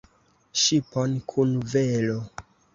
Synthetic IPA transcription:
ʃipo̞nkʰunvelo

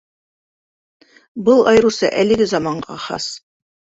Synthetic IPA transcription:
bɤlˠɑjɾusɤʔælɘ̆ɡɘzɑmɑɴɢɑχɑ̰s

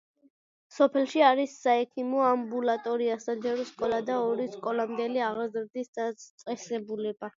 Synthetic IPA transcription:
sɔpʰɛlˠʃiaɾisːaɛkʰimɔambulat̪ʼɔɾiasad͡ʒɛɾɔskʼɔlˠad̪aɔɾiskʼɔlamd̪ɛliaʁɾzɾd̪isd̪at̪sʼɛsɛbulɛba

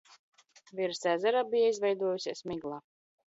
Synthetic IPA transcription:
viɾsæːzɛɾaːbijaizvɛjd̪uɔjusʲiɛsmiɡlˠaː

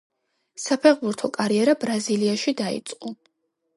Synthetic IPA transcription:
sapʰɛχbuɾt̪ʰɔkʼaɾiɛɾabɾaziliaʃid̪aḭt̪sʼqʼɔ

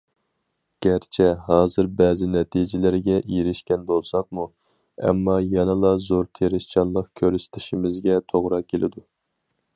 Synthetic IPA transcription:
ɡ̥ʲæɾt͡ʃʰɛɦɑːzɪɾbɛːzɪnɛt̪ʰid͡ʒɪlɪɾɪɡʲɛʔiɾɪʃkʲɛnbolˠsɑqmu | ɛ̰mːɑjɛnɨlˠɑzoɾt̪ʰeɾɪʃt͡ʃʰɑnlˠəqkʲʰøɾst̪ʰɪ̥ʃimɪzɡʲɛt̪ʰoʁɾɑkʲʰelɪ̰d̪u

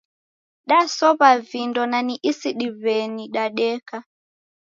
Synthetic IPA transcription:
ɗasɔβavindɔnaniʔisiɗivɛniɗaɗɛka

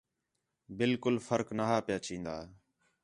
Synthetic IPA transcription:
bɪlkʊlfəɾknaːɦaːpjaːt͡ʃĩːnd̪aː

